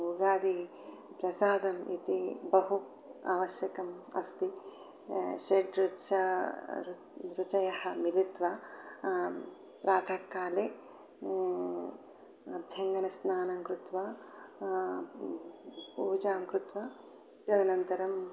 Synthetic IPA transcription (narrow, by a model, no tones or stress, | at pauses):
uɡaːd̪i | pɾɐsaːd̪ɐmit̪ibɐɦu | aːʋɐʃjɐkɐmɐ̰st̪i | ʃeɖɾut͡ʃɐɾ | ɾut͡ʃɐjɐhɐmilit̪ʋɐ | pɾaːt̪ʰɐkːaːle | ɐbʱjɐŋɡɐnɐsnaːnɐŋkɾut̪ʋɐ | puːd͡ʒaːŋkɾut̪ʋɐ | ɐd̪inɐnt̪ɐɾɐm